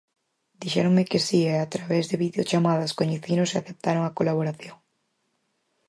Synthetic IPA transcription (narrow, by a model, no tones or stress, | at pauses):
d̪̥iʃɛ̰ɾoŋmɪkɪsieat̪ɾaβɛzðɪβiðeot͡ʃamað̞ɐskoɲeθinʊsaθep̚t̪aɾoŋakolaβ̞oɾaθjoŋ